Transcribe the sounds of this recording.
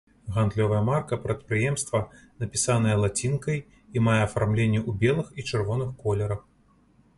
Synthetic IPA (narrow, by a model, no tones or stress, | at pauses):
ɣand̪lʲɔvɐjɐmarkɐpɾɐt̪̚pɾɨjɛmst̪vɐ | nɐpʲisanɐjɛlˠat͡sʲinkɐj | imajɛɐfarmlʲenʲːɛʔubʲɛlˠɨxit͡ʂɨrvɔnɨxkɔlʲɛɾɐx